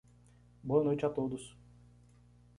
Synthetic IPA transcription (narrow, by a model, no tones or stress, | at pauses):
boɐnojt͡ʃat̪od̪ʊs